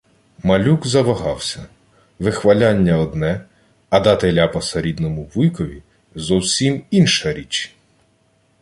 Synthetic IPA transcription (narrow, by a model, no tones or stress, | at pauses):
mɐlʲuɡzɐʋɐɦɑwsʲɐ | ʋɪxʋɐlʲanʲːɐɔd̪nɛ | ɐd̪ɑt̪elʲapɐsɐɾʲid̪nɔmʊʋujkɔʋʲi | zɔwsʲiminʃɐɾʲit͡ʃ